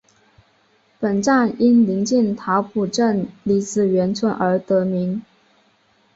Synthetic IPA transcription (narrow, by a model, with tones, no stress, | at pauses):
pə˨˩nʈ͡ʂa˥˩ni˥nli˧˥ŋt͡ɕi˥˩nt̪ʰa˧˥ʊpʰu˨˩ʈ͡ʂə˥˩nli˧˥t͡sɹ̩˨˩ɥɛ˧˥nt͡sʰwə˧˥nʔə˞˧˥t̪ɤ˧˥mi˧˥ŋ